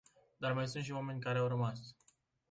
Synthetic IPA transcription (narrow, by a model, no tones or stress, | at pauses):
d̪armajsũnt̪ʃiwame̞nʲkaɾeawɾəmas